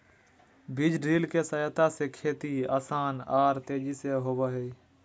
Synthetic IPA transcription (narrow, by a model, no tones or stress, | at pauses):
bɪd͡ʒɖɾiːlkesəjət̪asekʰeːt̪ia̰ːsaːnaːɾt̪eːd͡ʒiseɦoːʋaɦe